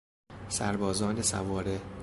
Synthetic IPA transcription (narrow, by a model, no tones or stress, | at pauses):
sæɾbɒːzɒːnesæ̰vɒːɾe